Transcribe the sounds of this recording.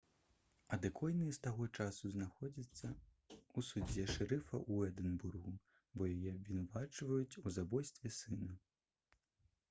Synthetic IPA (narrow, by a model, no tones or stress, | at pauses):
ɐd̪ɨkʰɔjnɨjɛst̪aɣɔt͡ʂasuznaxɔd͡zʲit̪sːɐ | usud͡zʲɛʂɾɛfɐʔuɛd̪ɛnburɣu | bɔjajɛɐbʲvʲinavat͡ʂvɐjut͡sʲuzabɔjst̪vʲɛsɨnɐ